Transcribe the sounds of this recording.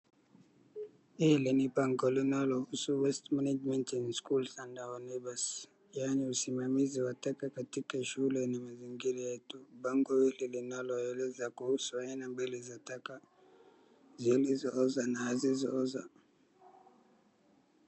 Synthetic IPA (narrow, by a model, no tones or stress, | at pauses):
ilinipaŋɡɔlinalɔhusuwɛstmanad͡ʒmɛntinskulsandaɔnɛbas | janiusimamiziwatakakatikaʃuulɛnimaziŋɡiɾajɛtubaŋɡɔwililinalɔɛlɛzakuhusuainambilizataka | zilizɔɔzanahazizɔɔza̰